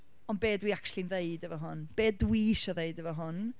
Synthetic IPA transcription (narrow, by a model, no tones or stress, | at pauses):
ɔnbeːdwiakʰʃlˠinðeɨdəvɔɦʊnb̥eːdwiɪʃɔðeɨdəvɔɦʊn